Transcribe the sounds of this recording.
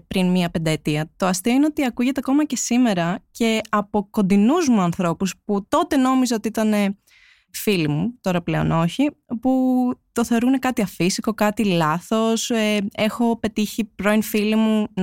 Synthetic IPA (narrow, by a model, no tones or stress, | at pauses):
pɾinmiɐpe̞nd̪ɐet̪iɐt̪o̞ɐst̪iine̞ot̪iɐkuʝe̞t̪eɐko̞mɐce̞sime̞ɾɐce̞ɐpo̞ko̞nd̪inuzmuɐnθɾo̞pusput̪o̞t̪e̞no̞mizeo̞t̪iit̪ɐne̞ | filimut̪o̞ɾɐple̞o̞̰no̞çiput̪o̞θeoɾune̞kɐt̪iɐfisiko̞kɐt̪ilɐθo̞see̞xo̞pe̞t̪içipɾo̞infilimun